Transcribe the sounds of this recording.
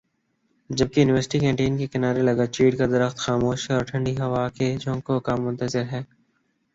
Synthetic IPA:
d͡ʒɐb̚kejuːnɪʋəɾsɪ̥ʈikɛ̃ːɳʈeːnkekɪnaːɾelɐɡat͡ʃiːɖkad̪ɐɾəxt̪xaːmoːʃɦɛɔːɾʈʰɐ̃ɳɖiɦɐʋaːked͡ʒõːŋkokaːmːʊ̃nt̪əzɪɾɦɛː

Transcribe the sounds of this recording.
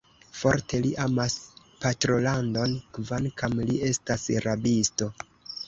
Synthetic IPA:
fo̞ɾtʰe̞liʔamas | patɾo̞lando̞nkvankamlie̞stasɾabisto̞

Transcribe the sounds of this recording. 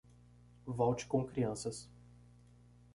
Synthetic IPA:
vɔwt͡ʃɪ̥kõkɾiɐ̃sɐs

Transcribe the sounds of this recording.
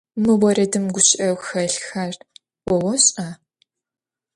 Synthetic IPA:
mɨwɔrɐdɨmɡʷʊɕɪʔɐwxɐɬxar | wɔwɔɕʼaː

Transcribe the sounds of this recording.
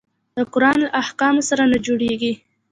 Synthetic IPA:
d̪̥əkʊɾɑnlaʔahkɑmosaɾanad͡ʒoɽeɡi

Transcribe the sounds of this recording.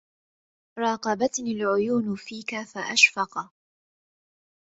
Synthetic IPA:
ɾˤɑːqɑbat̪nɪlʕʊjuːnʊfiːkafaʔaʃfɑq

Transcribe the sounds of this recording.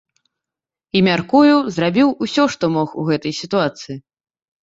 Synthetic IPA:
imʲarkujuzɾabʲiwusʲɔʂt̪ɔmɔxuɣɛt̪ɐjsʲit̪uat̪sɨji

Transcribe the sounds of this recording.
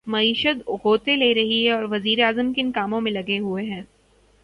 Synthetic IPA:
mɐiːʃət̪ʊɡʱoːt̪eleːɾɐɦiɦɛ̃ɔːɾʋɐziːɾeaːzəmkɪnkaːmõmẽlɐɡeɦueɦɛ̃ː

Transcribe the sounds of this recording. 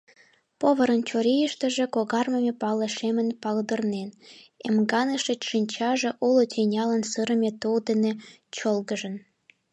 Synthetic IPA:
poβəɾənt͡ɕoɾijəʃt̪ə̆ʒĕkoɣɑrməmʲepɑlə̆ʃemənpɑld̪ərnenemɡɑnəʃet͡ɕʃinʲt͡ɕɑʒĕʔulot̪ʲinʲɑlənsɨɾə̆mʲet̪uld̪ene | t͡ɕolɣəʒə̆n

